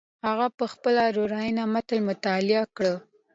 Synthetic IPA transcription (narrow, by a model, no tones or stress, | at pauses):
haɣapəxpəlaɾoɾɑjinamat̪əlmʊt̪ɑlɪakɽə